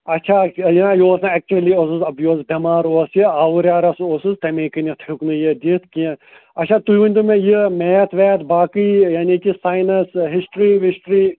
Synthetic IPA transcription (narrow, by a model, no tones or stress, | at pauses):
ɐtːʃʰajinajoːsnaɛk̚t͡ʃuɐliosɨzɐbjoːsbɐmaːɾoːsjiaːʋuɾjaːɾɐsosɨzt̪ɐmekɨnʲit̪ʰhuknɨjəd̪ʲit̪ʰki | ɐtt͡ʃʰat̪uʋɐnʲt̪umẽjimeːɐt̪ʰʋɛːt̪baːkɨjaːnikisaːjnɐsɦisʈɾiʋisʈɾiː